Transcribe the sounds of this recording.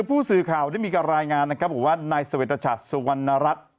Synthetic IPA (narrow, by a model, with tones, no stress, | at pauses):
pʰuː˥˩sɯː˨˩kʰaː˨˩wda˥˩jmiː˧ka˧nɾaː˧jŋaː˧nːa˦˥kʰɾp̚hu˨˩˦waː˥˩naː˧jsa˧e˨˩t̪ɾa˧t͡ɕʰa̰˨˩t̪̚su˧wa˧nːa˧ɾa˦˥t̪̚